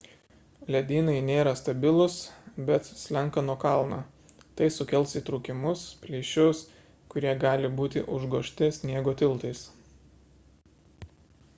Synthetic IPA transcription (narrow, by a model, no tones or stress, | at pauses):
lʲɛd̪ʲiːnɐɪnʲeːɾɐst̪ɐbʲɪlˠʊsbʲɛt̪sʲlʲɛŋˑkɐnuɔkɑˑlˠnɐ̰ː | t̪ɐɪsʊkʲɛlʲˠˑsit̪ɾuːkʲɪmʊspʲlʲiɛʃʲʊs | kʊɾʲiɛɡɑːlʲɪbuːt̪ʲɪʔʊʒɡoːʃʲt̪ʲɪsʲnʲiɛɡoːt̪ʲɪlˠt̪ɐɪs